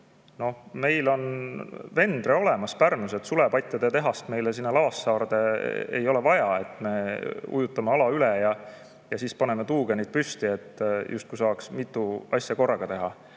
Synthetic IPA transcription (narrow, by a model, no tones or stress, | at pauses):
no̞hme̞jlo̞nve̞nd̪̥reo̞le̞mɑspærnuse̞t̪sule̞pɑjt̪ʲjɑd̪̥et̪e̞ɦɑst̪me̞jlesinːelɑvɑsːɑːrd̪̥e̞ḛjo̞levɑjɑe̞t̪ːˑme̞ṵjut̪ːˑɑmeɑlɑylɛjɑ | jɑsiːspɑne̞me̞t̪uːɡ̥e̞nejd̪̚pyst̪ie̞t̪ːjʔust̪̚kusɑːksmit̪ːˑuɑsjɑko̞rːɑɡ̥ɑt̪e̞ɦɑ